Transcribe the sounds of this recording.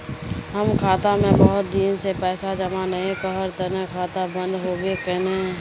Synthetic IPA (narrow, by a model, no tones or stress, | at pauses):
ɦəmkʰaːt̪amẽbəɦʊt̪̚d̪iːnsepɛːsad͡ʒəmanəɦẽkəɦəɾt̪əɾə̃kʰaːt̪abə̃nd̪ɦoːbekɛnẽ